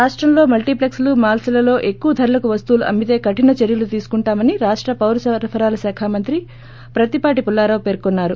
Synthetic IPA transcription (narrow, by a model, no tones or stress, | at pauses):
ɾaːʂʈɾɐmlo̞ːmɐlʈiplekslumaːlsɐlɐlo̞ːʔe̞kːuʋɐd̪ʱɐɾlɐkuʋɐst̪uːluɐ̰mːit̪e̞ːkɐʈinɐt͡ʃe̞ɾjɐlut̪iːsu̥kuɳʈaːmɐniɾaːʂʈɾɐpɐwɾusɐɾpʰɐɾaːlɐsaːkʰaːmɐnt̪ɾi | pɾɐt̪ipaːʈ̬ipulːaːɾɐʋpe̞ːɾkonːaːɾu